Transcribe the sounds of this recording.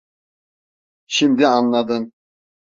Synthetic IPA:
ʃimd̪ɪɑnlˠɑd̪ɯn

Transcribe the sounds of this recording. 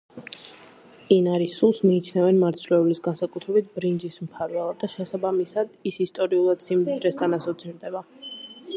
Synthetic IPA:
inaɾisulˠsmiːt͡ʃʰnɛvɛnmaɾt̪sʰɾɛulisɡansakʼut̪ʰɾɛbit̪̚ʰbɾind͡ʒismpʰaɾvɛlˠad̪ːaʃɛsabamisad̪isist̪ʼɔɾiulˠad̪̥simd̪id̪ɾɛst̪ʰʼanasɔt̪sʰiɾd̪ɛba

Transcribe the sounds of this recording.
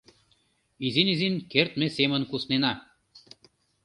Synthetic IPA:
izinizinkert̪̚mĕsemə̆nkusnenɑ

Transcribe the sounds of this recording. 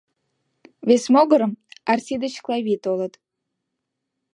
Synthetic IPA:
βesmoɣəɾəmɑrsʲid̪ət͡ɕklˠɑβʲit̪olə̆t̪

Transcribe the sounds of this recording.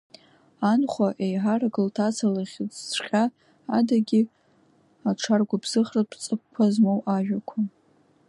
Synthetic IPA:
anχʷaʔejħaraɡɨltʰat͡sʰalaχʲɪt͡sʷʰχʲʼaː | daɡʲi | aʈ͡ʂʰarɡʷabz̥ɨχrapʰt͡sʼɨkkʷʰːazmowʔaʒᶣakʷʰa

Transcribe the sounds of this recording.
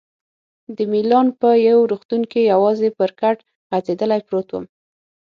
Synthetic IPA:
d̪əmilɑnpəjawɾuxt̪uŋkijawɑzepəɾkaʈ | ɣazed̪əlajpɾot̪wə̰m

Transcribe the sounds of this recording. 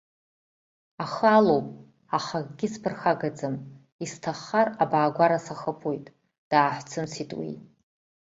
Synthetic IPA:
aχalowpʼ | aχaɡʼɡʲɪspʰɨrxaɡad͡zɨm | istʰaχːarabaːɡʷaɾasaχəpʰojtʼ | d̥aːħʷt͡sʰɨmsitʼwḭjtʼ

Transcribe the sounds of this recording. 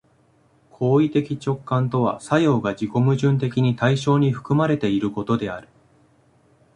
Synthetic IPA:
kʰo̞ːit̪e̞kʲit͡ɕo̞kːãnt̪o̞β̞a̰sajo̞ːɡad͡ʑiko̞mɯ̟ʑɨ̃nt̪e̞kʲiɲ̟it̪aiɕo̞ːɲ̟iɸɯ̟̥kɯ̟maɾe̞t̪e̞iɾɯ̟ko̞t̪o̞d̪e̞aɾɯ̟

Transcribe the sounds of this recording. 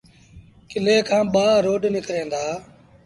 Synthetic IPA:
kɪleːkʰãːɓaːɾoːɖnɪkɾẽːnd̪aː

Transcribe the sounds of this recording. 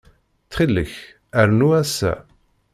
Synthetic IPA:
t͡sːχilːəç | æɾnuæsːæ̰

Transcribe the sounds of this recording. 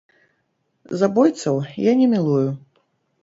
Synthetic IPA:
zabɔjt̪sɐwjanʲɛmʲilˠuju

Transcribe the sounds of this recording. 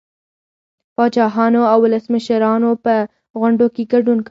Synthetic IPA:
pɑd͡ʒɑɦɑnoawːʊləsməʃɾɑnopə | ɣʊɳɖokeɡaɖunk

